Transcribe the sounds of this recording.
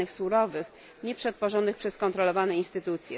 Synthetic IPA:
ɘxsuɾɔvɘx | ɲɛpʂɛt̪fɔʐɔnɘxpʂɛskɔnt̪ɾɔlɔvanɛinst̪ɘt̪ut̪sʲjɛ

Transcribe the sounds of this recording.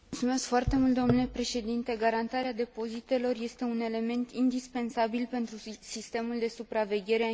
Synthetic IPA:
mult̪sume̞skfoart̪e̞mult̪d̪omnule̞pɾe̞ʃe̞d̪int̪e̞ɡaɾant̪aɾead̪e̞po̞zit̪e̞lo̞rje̞st̪e̞une̞le̞me̞nt̪ind̪ispe̞nsabilpe̞nt̪ɾusist̪e̞muld̪e̞supɾave̞ɡʲe̞ɾe

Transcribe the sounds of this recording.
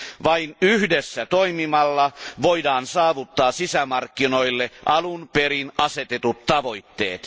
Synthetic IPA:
ʋɑinyhdesːæt̪oimimɑlːɑʋoidɑːnsɑːʋut̪ːɑːsisæmɑrkːino̞ilːeʔɑlunpeɾinɑset̪et̪ut̪t̪ɑʋo̞it̪ːḛːt̪

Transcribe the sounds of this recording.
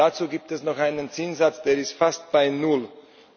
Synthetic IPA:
at͡suːɡiːp̚tɛsnɔχʔaɪnənt͡sɪnzat͡sd̥eːɐɪstfast̚b̥aɪnʊl

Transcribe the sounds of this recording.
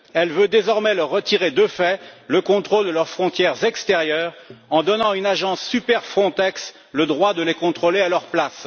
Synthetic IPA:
ɛlvød̪ezɔʁmɛləʁːət̪iʁed̪əfɛləkɔ̃t̪χold̪əlœʁfχɔ̃t̪jɛʁzɛkst̪eʁjœːʁɑ̃d̪ɔnɑ̃ynaʒɑ̃sːypɛʁfχɔ̃t̪ɛks | ləd̪ʁwad̪əlekɔ̃t̪χolealœʁplas

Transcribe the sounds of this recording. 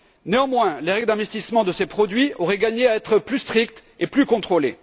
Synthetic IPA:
neɑ̃mwɛ̃leʁɛɡld̪ɛ̃vɛst̪ismɑ̃d̪əsepχɔd̪ɥiɔʁɛɡaɲeaɛt̪χəplyst̪χik̚t̪eplykɔ̃t̪χole

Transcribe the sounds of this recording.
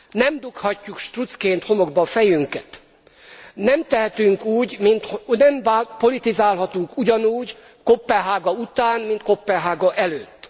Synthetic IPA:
nɛmd̪ukhɒcːukʃt̪rut̪skeːnt̪ho̞mo̞ɡbɒfɛjyŋkɛt̪ | nɛmt̪ɛɦɛt̪yŋkuːɟmint̪honɛmvaːpo̞lit̪izaːlɦɒt̪uŋkuɟɒnuːɟ | kopːɛɦaːɡɒut̪aːnmint̪̚kopːɛɦaːɡɒʔɛløːt̪ː

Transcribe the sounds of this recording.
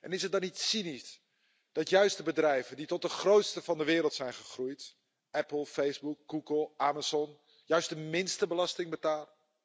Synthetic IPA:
ʔɛnɪsət̚dɑnitsinis | d̥ɑtjœɥstdəbədrɛjvənditɔt̚dəχrowtstəvɑndəʋɪːɾəlˠtsɛjnχəχrujt | ʔɛpl̩ˠfejzbuk̚ɡuɡəlˠʔamazɔn | jœɥst̚dəmɪnstəbəlɑstɪŋbətaːlə

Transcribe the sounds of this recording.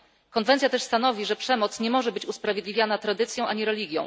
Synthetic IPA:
kɔnvɛnt̪ʲjat̪ɛʂst̪anɔvʲiʐɛpʂɛmɔt̪sɲɛmɔʐɛbɘt͡ɕuspɾavʲjed̪lʲivʲjanat̪ɾad̪ɘt̪sʲjɔ̃w̃ʔaɲiɾɛlʲiɡʲjɔ̰̃w̃

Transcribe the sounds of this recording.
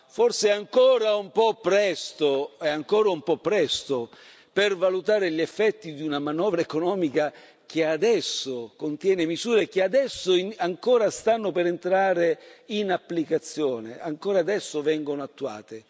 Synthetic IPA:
forseaŋkoːɾaumpɔpːɾɛst̪oɛaŋkɔːɾaumpɔpːɾɛst̪o | pervalut̪aːɾeʎefːɛt̪ːid̪iunamanɔːvɾaekonɔːmika | k̟ead̪ɛsːokont̪jɛːnemizuːɾek̟ead̪ɛsːoaŋkoːɾast̪anːopeɾent̪ɾaːɾeinapːlikat̪sːjoːnḛa̰ŋkoːɾaːd̪ɛsːovɛŋɡonoat̪ːua̰ːt̪e

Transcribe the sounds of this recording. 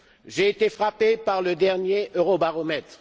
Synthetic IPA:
ʒeːt̪efχapepaʁləd̪ɛʁnjeʔøʁobaʁɔmɛt̪χ

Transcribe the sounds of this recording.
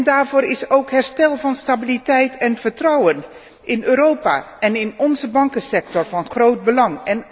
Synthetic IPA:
ndaːɹvʊːɹɪsowkɦɛɹstɛlˠvɑnstabilitɛjtʰɛnv̥əɹtrɑwən | ʔɪnøːɾowpa̰ːʔɛnɪnɔnzəbɑŋkənsɛk̚tɔɹvɑnχrowd̚bəlɑŋɛn

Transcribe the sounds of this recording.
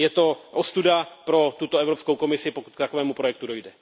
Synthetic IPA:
jɛt̪o̞ʔost̪udapɾo̞t̪ut̪oɛvɾopsko̞wko̞mɪsɪpoku̥t̪kt̪akovɛːmupɾojɛkt̪udo̞jdɛ

